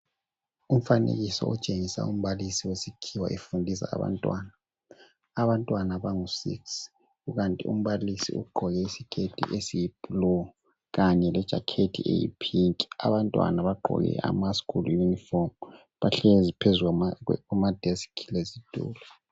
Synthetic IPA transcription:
um̩fanḛɣisɔ̰ṵt͡ʃʼeŋisa̰um̩βalisiwesikʰiwa̰ʔefundʱisa̰ːβa̰ntʼwanaː | βantʼwanaβaŋusḭks | ɣuɣantʼḭṵm̩βalisḭṵɡ͡ǃʱɔɣɛisikʰetʰḭʔesijib̥ʱulɔ | ɣaɲɛlɛd̥ʒ̥ʱakʰetʰḭʔḛjḭpʰiŋkʼiaβantʼwa̰naβaɡ͡ǃʱɔ̰ɣɛ̰ʔa̰maskʰʼuljunifɔm | βaɬɛzipʰezuɣaumad̥ʱɛsi̥kʰilezid̥ʼʱṵːlɔ

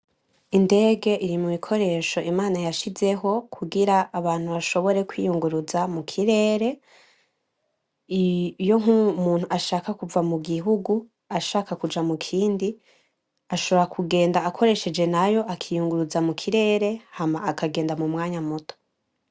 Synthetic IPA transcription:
inde̞ːɡe̞ʔiɾimumikʰo̞ɾe̞ːʃo̞ʔimaːnajaʃize̞ɦo̞kʰuɡiɾaːβaːn̥huβaʃo̞βo̞ɾe̞kwijuŋɡuɾuzamukʰiɾe̞ːɾe̞ | jo̞ŋumuːn̥huaʃaːkakuvamuɡiɦuɡu | aʃaːkakud͡ʒamukʰiːndi | aʃo̞βoɾakʰuɡe̞ːndaːkʰo̞ɾe̞ʃe̞d͡ʒe̞najo̞ʔakʰijuŋɡuɾuzamukʰiɾe̞ːɾe̞hamaːkʰaɡe̞ːndamumŋaːɲamutʰo̥

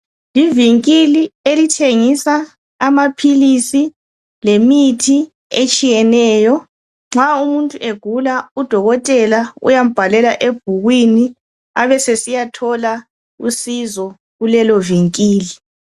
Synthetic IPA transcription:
liviŋkʼilielitʰeŋisaː | mapʰilisi | lemitʰi | et͡ʃʼijɛnɛːjɔ | ŋ͡ǁaumuntʼuʔeɡ̥ʱulaud̥ʱɔɣɔtʼɛlaṵjam̩b̥ʱalɛlaʔeb̥̚ʱuɣwini | aβɛsesijatʰɔla | usizɔ | ɣulɛlɔviŋkʼiːli

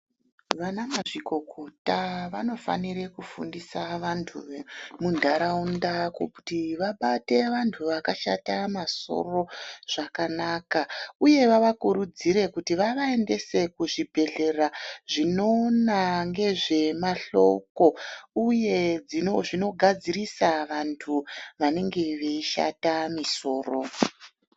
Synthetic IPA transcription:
ʋanamaʐiko̞kʰo̞taʋano̞fa̰niɾekufṵndisaʋantʰumundʱaɾaundako̰ku̥tiʋaɓate̞ʋantʰuʋakaʃatamaso̞̰ro̞ʐ̥akanakauje̞ʋaʋakuɾud͡ziɾe̞kutiʋaʋae̞nde̞se̞kuʐibʱe̞ɮe̞raʐino̞naŋɡe̞ʐe̞maɬo̞̰ko̞uje̞d͡zinoʐino̞ɡʱad͡zirisaʋantʰuʋane̞ŋɡe̞ʋe̞iʃa̰tamiso̞ːro̞

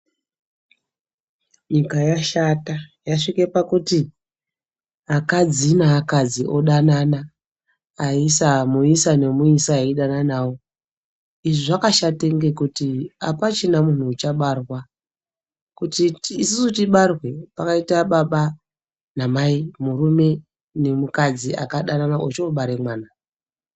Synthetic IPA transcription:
ɲikajaʃatajaʂikepakuti | akad͡zinaːkad͡ziʔo̞ɗananaː | isamuisane̞muisaaiɗananawo | iʐiʐakaʃate̞ŋɡe̞kutia̰pat͡ʃinamun̤uːt͡ʃaɓarwa | kutiːsisutiɓarwe̞pakaitaɓaɓa | namaimuɾume̞ | ne̞mukad͡zia̰kaɗananaʔot͡ʃeoɓaɾe̞mwaːna

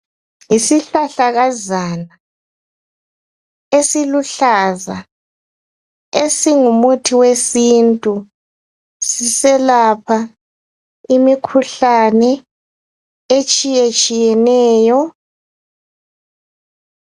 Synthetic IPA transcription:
isiɬaɬaɣazaːna | esiluɬaza | esiŋumutʰiwesintʼu | sisɛlapʰa | imikʰuɬanɛ | et͡ʃʼijet͡ʃʼijɛnɛːjɔ

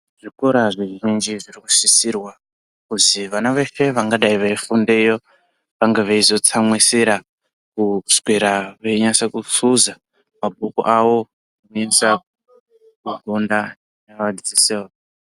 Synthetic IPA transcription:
ʐ̥ikoɾaʐiʒind͡ʒiʐiriku̥sisirwa | kuziʋanaʋe̞fe̞ʋaŋɡaɗaiʋaifundejo | ʋaŋɡeʋaizo̞t͡samwisiɾa | kuskwiɾaʋeiɲasakusuza | mabʱukṵʔawo̞ | unɲesa | kuɡonda | naʋadit͡siseoa

